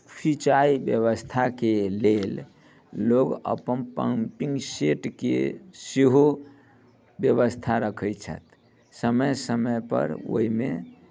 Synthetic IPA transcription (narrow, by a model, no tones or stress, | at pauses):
pʰit͡ʃaibjəβəst̪ʰakelel | loɡə̰pənpə̰mpĩŋɡseʈkḛsiɦo | bjəβəst̪ʰaɾəkʰət͡ʃʰə̰t̪ | səməjsəməjpə̰ɾo̰ime